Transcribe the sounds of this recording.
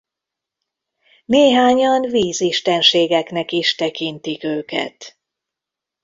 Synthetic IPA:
neːɦaːɲɒnviːziʃt̪ɛnʃeːɡɛknɛkiʃt̪ɛkint̪ikøːkɛ̰t̪

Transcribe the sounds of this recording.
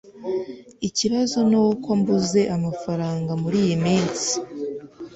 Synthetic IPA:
iciβazo̞nukombuze̞ʔamafaɾaːŋɡamuɾiːjimiːnt͡si̥

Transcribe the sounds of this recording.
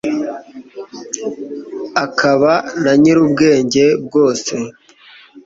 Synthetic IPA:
akʰaβanaɲiɾubɡe̞ːɲɟe̞b̚ɡo̞ːse̞

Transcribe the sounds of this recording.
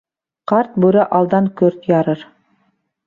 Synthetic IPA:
qɑɾt̪̚bʉɾæʔɑlˠd̪ɑŋkɵɾt̪jɑɾɤɾ

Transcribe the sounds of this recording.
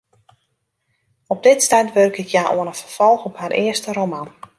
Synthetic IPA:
ɔb̚dɪtstɛtʋørkɪkʰjaːʔo̰ənəfərfɔlˠxɔpharʔɪəstəɾoman

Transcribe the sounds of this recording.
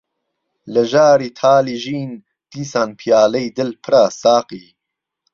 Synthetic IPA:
ləʒaːɾiːt̪ʰaːliːʒiːn | d̪̥iːsaːnpʰijaːlejd̪ɨlpʰɨɾaːsaːqiː

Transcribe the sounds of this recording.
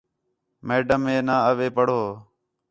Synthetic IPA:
meːɖəmẽːnaːəʋeːpəɽ̤oː

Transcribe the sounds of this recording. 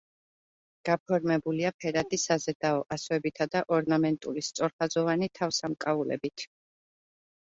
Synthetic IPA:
ɡ̥apʰɔɾmɛbuliapʰɛɾad̪isazɛd̪̥aɔʔaswɛbit̪ʰad̪aʔɔɾnamɛnt̪ʼulist̪sʼɔɾχazɔvanit̪ʰafsamkʼaulɛ̰bit̪ʰ

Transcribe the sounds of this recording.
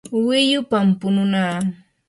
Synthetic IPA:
wɪjʊpampʊnʊnaː

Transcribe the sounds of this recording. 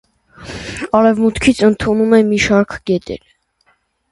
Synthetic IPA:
ɑɾɛvmut̪kʰit͡sʰənt̪ʰunumɛmiʃɑɾkʰɡɛt̪ɛ̰ɾ

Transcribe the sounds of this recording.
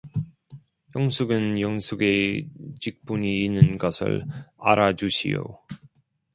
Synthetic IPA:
jʌŋsʰuɡɯnjʌŋsʰuɡet͡ɕik̚p͈uɲiːnːɯnɡʌsʰɯ̰ɭa̰ɾad͡ʑuɕʰḭjo̰

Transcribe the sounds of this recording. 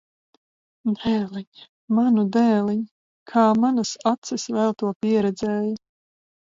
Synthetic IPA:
d̪ɛːlˠiɲa | manud̪ɛːlˠiɲ | kʰaːmanasat̪sɨsvælˠt̪uɔpʲiɛɾɛd̪zɛːja

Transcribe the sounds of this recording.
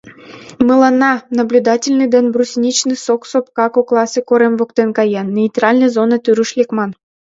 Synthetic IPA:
mɨlˠɑnːɑnəblʲud̪ɑtʲɪlʲnɨd̪enʲbrusʲnʲit͡ɕnɨsoksop̚kɑkoklˠɑsɨkoɾemvokt̪enkɑjɑnːʲeit̪rɑlʲnəjzonɤt̪yɾyʃlʲekmɑn

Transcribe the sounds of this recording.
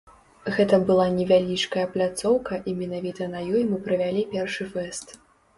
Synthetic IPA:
ɣɛt̪ɐbɨlˠanʲɛvʲalʲit͡ʂkɐjɐplʲat̪sɔwkɐʔimʲɛnavʲit̪ɐnɐjɔjmɨpɾɐvʲalʲipʲɛrʂɨfɛst̪

